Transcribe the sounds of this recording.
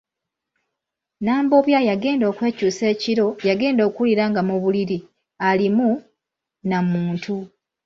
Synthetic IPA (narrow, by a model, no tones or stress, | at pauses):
naːmbo̞βjajaɡe̞ːndo̞ːkwe̞ːcuːse̞ːciɾo̞jaɡe̞ːndo̞ːkuuliɾaːŋɡamuβuliɾi | alimu | namuːntʰu